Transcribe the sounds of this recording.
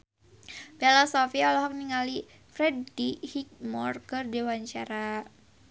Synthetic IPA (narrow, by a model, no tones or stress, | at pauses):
bɛlɔsɔfiaɔlɔɦɔk̚niŋali | fɾɛdihik̚mɔrkɨrdewaɲt͡ʃaɾa